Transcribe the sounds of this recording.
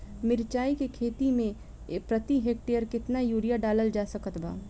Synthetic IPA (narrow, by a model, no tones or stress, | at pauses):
mɪɾt͡ʃaːikekʰeːt̪imẽ | pɾɐt̪iɦeːk̚ʈeːjəɾkɪt̪najuːɾijaɖaːləld͡ʒaːsəkət̪ba̰ː